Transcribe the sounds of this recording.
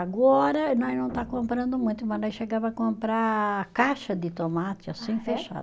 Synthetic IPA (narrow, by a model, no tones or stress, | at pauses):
aɡɔɾɐnɔ̃jnɐ̃w̃t̪akõmpɾɐ̃nd̪ʊmũj̃t̪ʊmɐnɔ̃jʃeɡavɐkõmpɾakaʃɐd̪ɪt̪omat͡ʃ̪ɪasĩj̃feʃa̰